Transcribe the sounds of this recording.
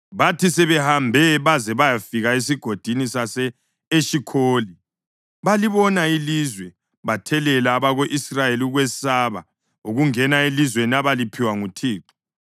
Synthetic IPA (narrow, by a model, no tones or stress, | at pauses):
βatʰisɛβɛhambʱɛβazɛβajafiɣaes̬iɡ̥ʱod̥ʱinisasɛː | ʃikʰoːli | βaliβɔnailizwɛ | βatʰɛlɛlaːβaɣoʔisrajeliuɣwɛsaβa̰ | uɣuŋɛnaelizwenaβalipʰiwaŋutʰiːǃɔ̥